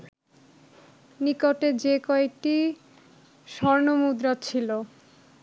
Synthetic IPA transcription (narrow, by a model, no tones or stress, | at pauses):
nikoʈed͡ʑekɔek̚ʈi | ʃɔɾnomud̪ɾat͡ɕʰilo